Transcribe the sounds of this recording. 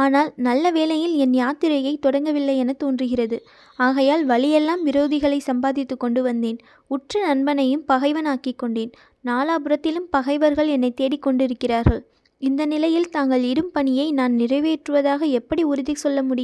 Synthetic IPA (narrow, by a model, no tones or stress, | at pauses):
aːnaːlnɐlːɐʋeːlɐjɪlɛnjaːt̪ɪɾɐjɐɪt̪ɔɽɐŋɡɐʋɪlːɐɪɛnɐt̪oːndrɯɣɪrɐðɯ | aːɣɐjaːlʋɐɭɪjɛlːaːmʋɪɾoːðɪɣɐɭɐɪsɐmbaːðɪt̪ːɯkːɔɳɖɯʋɐnd̪eːn | ʊʈrɐnɐnbɐnɐjɯmpɐɣɐɪʋɐnaːkɪkːɔɳɖeːn | naːlaːbɯɾɐt̪ːɪlɯmpɐɣɐɪʋɐɾɣɐɭɛnːɐɪt̪ːeːɽɪkːɔɳɖɪɾɯkːɪraːɾɣɐɭ | ɪnd̪ɐnɪlɐjɪlt̪aːŋɡɐɭɪɽɯmpɐɳɪjɐɪnaːnnɪrɐɪʋeːʈrɯʋɐðaːɣɐɛpːɐɽiʊɾɪðɐsɔlːɐmʊɽɪ